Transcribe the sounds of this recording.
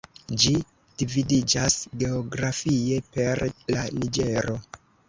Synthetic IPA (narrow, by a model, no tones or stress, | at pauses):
d͡ʒi | d̥ividid͡ʒasɡe̞oɡɾafie̞pe̞ɾlanid͡ʒe̞ɾo̞